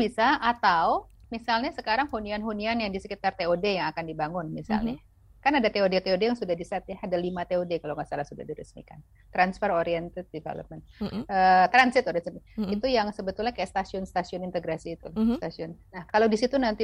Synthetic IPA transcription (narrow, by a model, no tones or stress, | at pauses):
bisaʔat̪awmisalɲasəkaɾaŋhunianɦunianjaŋdisəkit̪art̪eodejaŋakandibaŋʊnmisa̰lɲa | kanadat̪eodet̪eodejaŋsudahdisat̪̚jaadalimat̪eodekalawŋɡaʔsalahsuda̰hdiɾə̰smḭka̰n | t̪ɾansfɛroɾiɛnt̪ət̪̚difḛlə̰p̚mɛnt̪̚ət̪ɾansɪt̪oɾisniit̪ujaŋsəbət̪ʊlɲakajaʔst̪asiʊnst̪asiʊnint̪əɡɾasiːt̪ulst̪asiʊnnahkalawdisit̪unant̪i